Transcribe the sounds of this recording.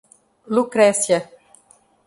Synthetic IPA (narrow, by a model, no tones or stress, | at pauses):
lukɾɛsjɛ